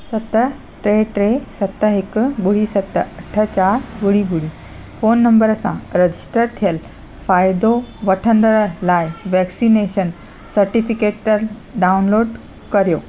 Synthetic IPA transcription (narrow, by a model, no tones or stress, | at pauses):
sɐt̪ə | ʈɾeʈɾesɐt̪əɦekbuɽisɐt̪ːəɐʈʰːət͡ɕaɾbuɽibuɽiː | fonːəmbəɾsã̰ɾəd͡ʑisʈəɾt̪ʰijəl | fajd̪oʋəʈʰə̃nd̪əɭlajʋɛksineɕən | səɾʈifikeʈəl | ɖaunloːɖ | kəɾjo